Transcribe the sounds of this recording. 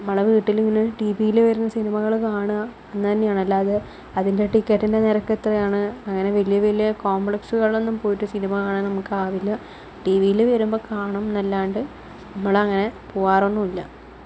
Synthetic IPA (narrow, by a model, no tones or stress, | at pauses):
ɐmːɐɭɐʋiːʈːiliŋːɐnɨʈibijilɨʋɐɾunːɐsinimɐɣɐɭkaːɳɨ | enːɨt̪ɐnːejaːɳɐlːaːðe | ɐðinde̞ʈikːɐʈːinde̞neɾɐkːet̪rɐjaːɳɨɐŋːɐne̞ʋɐlijɐʋelijɐkoːmbɭeksuɣɐɭo̞nːumpo̞ːjiʈːɨsinimɐɣaːɳɨnɐmukːɨaːʋilːɐ | ʈiʋijilɨʋɐɾumbo̞ːkaːɳɐmnɐlːaːjɳɖɨ | nɐmːɐɭɐŋːɐne̞poːaːronːumilːɐ